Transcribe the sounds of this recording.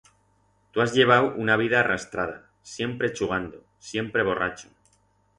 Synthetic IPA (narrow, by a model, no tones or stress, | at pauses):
t̪uazʎe̞β̞awʔunaβ̞iðaːrʔast̪ɾaða̰ | sje̞mpɾet͡ʃuɣ̞and̪o | sje̞mpɾe̞βo̞ra̰t͡ʃo̥